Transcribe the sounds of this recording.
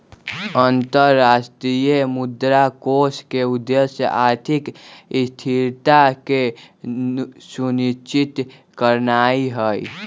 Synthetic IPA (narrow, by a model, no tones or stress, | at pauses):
ənt̪əɾːaːsʈɾijemʊd̪ɾakoskeud̪ːesjə̰ʔaːɾt̪ʰikst̪ʰiɾt̪ake | sunit͡ʃit̪ | kəɾnaːiɦəj